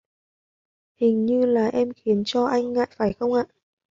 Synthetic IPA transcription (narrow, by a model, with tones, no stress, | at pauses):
hï˨˩ŋ̟ɲɨ˧laː˨˩ʔɛ˧mxi˨˦ənt͡ɕɔ˧ʔa˧jŋ̟ːa̰ː˧˨jfaː˧˩jxə˧wŋ͡mʔaː˧˨